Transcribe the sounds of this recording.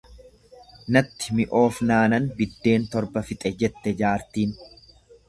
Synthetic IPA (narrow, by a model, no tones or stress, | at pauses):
nɐt̪ːɪ̥mɪʔo̞ːfnaːnɐnbɪd̪ːe̞ːnt̪ɔɾbɐfɪt̪ʼɛd͡ʒɛt̪ːɛd͡ʒaːɾt̪iːn